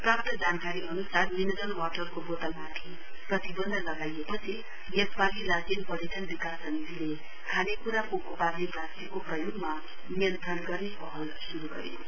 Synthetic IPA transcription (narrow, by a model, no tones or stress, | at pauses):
prap̚t̪ʌd͡zankaɾiʌnusarminʌd͡zʌlwaʈʌrkobot̪ʌlmaʈ̪ʰi | prʌt̪ibʌnd̪ʱʌlʌɡajepʌt͡sʰi | nekpalilasinpʌɾeʈʌnbikasʌnid͡zʱile | kʰanekuɾakoʔuparnebrast̪ikoprʌjoɡma | mijʌnt̪ʰɾʌnɡʌrnepʌɦʌl | suɾuɡʌ̰ɾj